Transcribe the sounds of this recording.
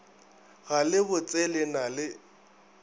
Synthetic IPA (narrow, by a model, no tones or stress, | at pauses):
ɣalɪbʊt͡sʼɛlɛnalɪ